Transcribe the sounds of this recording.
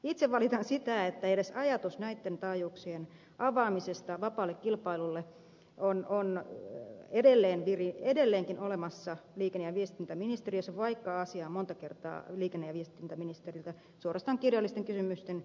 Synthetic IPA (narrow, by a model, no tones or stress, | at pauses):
it̪seʋʋɑlit̪ɑnsit̪æet̪ːæedesɑjɑt̪usnæit̪ːent̪ɑːjuːksien | ʔɑʋɑːmisest̪ɑʋɑpɑːlːekkilpɑilulːe | ʔonon | edelːeːnʋiriedelːeːŋkinolemɑsːɑliːkenːejɑʋiest̪int̪æminist̪eriøsɑʋɑikːɑɑsiɑːmont̪ɑkert̪ɑ̰ːliːkenːejɑʋiest̪int̪æminist̪erilt̪æ | suorɑst̪ɑːŋkirjɑlːˑist̪eŋkysymyst̪en